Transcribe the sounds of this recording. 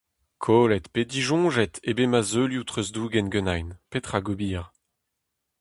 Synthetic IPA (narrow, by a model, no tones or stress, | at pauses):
kʰoːlɛt̪ped̪iʒɔ̃ʒɛt̪ʰebemazøljut̪χøzd̪uːɡɛnɡønajnpet̪χaɡobiːʁ